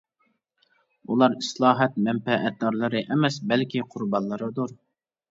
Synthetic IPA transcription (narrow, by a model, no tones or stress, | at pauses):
ulˠɑɾislˠɑːɦɛt̪̚mɛmfɛʔɛt̪̚d̪ɑɾlˠɨɾɨʔɛmɛsbɛlkʲiqʰʊɾbɑnˠlːˠɨɾɨd̪uɾ